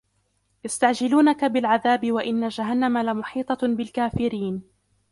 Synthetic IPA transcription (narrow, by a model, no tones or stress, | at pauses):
jast̪aʕd͡ʒɪluːnakabɪlʕaðaːbɪwaʔɪnːad͡ʒaɦanːamalamʊħiːt̪ˤɑbɪlkaːfɪɾiːn